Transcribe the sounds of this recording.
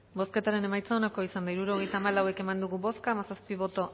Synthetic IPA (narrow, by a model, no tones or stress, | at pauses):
bo̞ske̞t̪aɾe̞ne̞majt͡saonako̞isand̪aiɾuɾo̞ɣ̞e̞jt̪aːmalawe̞ke̞mand̪uɣubo̞skaːmasaspiβ̞o̞t̪o̞